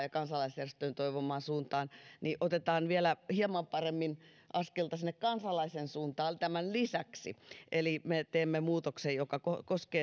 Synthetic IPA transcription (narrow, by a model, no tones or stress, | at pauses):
jɑkɑnsɑlːˑɑisjærest̪øint̪oiʋomˑɑːnsuːnt̪ɑːnniʔot̪et̪ɑːnʋielæhiɑmɑmpɑremːin | ʔɑskelt̪ɑsinːekkɑnsɑlːˑɑisensuːnt̪ɑːlt̪æmænlisæksḭʔelimet̪eːmːemuːt̪oksejjokɑkokoskeː